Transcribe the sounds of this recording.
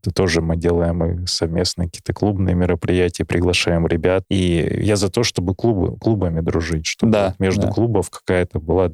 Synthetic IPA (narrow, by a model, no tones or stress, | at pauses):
t̪ət̪o̞ʐɨmɨdʲe̞lˠəjɪmɨsɐvmʲe̞snɨjk̚kʲiːt̪əklˠubnɨjəmʲɪɾəpɾʲɪjætʲɪjəpɾʲɪɡlˠɐʂajɪmɾʲɪbʲat̪̚ijazɐt̪o̞ʂt̪o̞bɨklˠubɨ̰klˠubəmʲɪd̪ɾʊʐɨtʲʂt̪o̞b̪t̪mʲeʐd̪ʊklˠubəfkɐ̥kajət̪əbɨlˠa